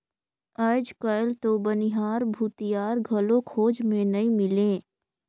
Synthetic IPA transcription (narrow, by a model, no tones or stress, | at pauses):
əd͡ʒkəlt̪obəniɦaːɾbʱuːt̪ɪjaːɾɡʱɐlõkʰoːd͡ʒmẽnɐĩmɪlẽː